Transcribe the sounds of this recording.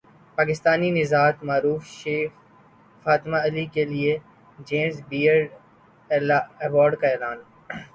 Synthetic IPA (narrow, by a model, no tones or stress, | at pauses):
paːkɪst̪aːninɪzaːt̪maːɾuːfʃeːx | faːt̪maɐlikelie | d͡ʒeːmsbiːəɖ | ɐʋɔːɾɖkaeːlaːn